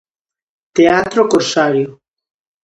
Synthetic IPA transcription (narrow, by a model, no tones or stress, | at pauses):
t̪eat̪ɾokoɾsaɾjo